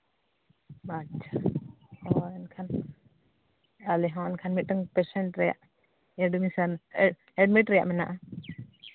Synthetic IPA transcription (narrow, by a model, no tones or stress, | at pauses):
mat͡ʃʰa | ɔɛnkʰan | alɛɦɔ̃ɛnkʰanmit̚əŋpɛsɛnʈɾɛja̰ʔ | ɛɖmisanɛ | ɛɖ̚miʈɾɛja̰ʔmɛna̰ʔa